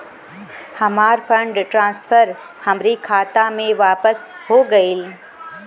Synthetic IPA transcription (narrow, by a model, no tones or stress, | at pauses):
hɐmaːɾfʰə̃ɳɖʈɾãːnsfəɾ | hɐmɾikʰaːt̪amẽʋaːpəsɦoɡɐil